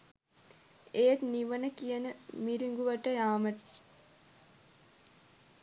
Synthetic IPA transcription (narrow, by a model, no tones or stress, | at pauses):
eːt̪niʋənəkijənəmiɾiŋɡuʋɐʈəjaːməʈ